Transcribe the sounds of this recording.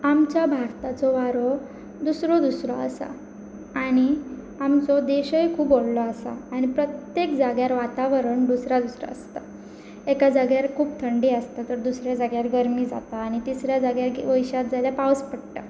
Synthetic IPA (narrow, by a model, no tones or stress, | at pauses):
amt͡ɕjabʱaɾt̪at͡sɔʋaɾɔ | d̪usɾɔd̪usɾɔ̰ə̰sa̰ | aɽ̃i | amt͡sɔd̪eɕəjkʰuːpollɔəsa̰ːñipɾət̪jekd͡zaɡjaɾʋat̪aʋəɾəɳd̪usɾad̪usɾa̰əst̪a | ekad͡zəɡjaɾkʰuːp̚t̪ʰəɳɖiːəst̪at̪əɾd̪usɾjad͡zaɡjaɾɡəɾmiːd͡za̰t̪aːɽ̃it̪isɾjad͡zaɡjaɾʋəjɕat̪̚d͡zaljapawspəɽʈa